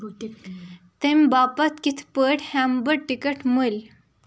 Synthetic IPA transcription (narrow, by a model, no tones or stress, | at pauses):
t̪emʲbaːpɐt̪kit̪ʰpəʈhambəɽʈikəʈmul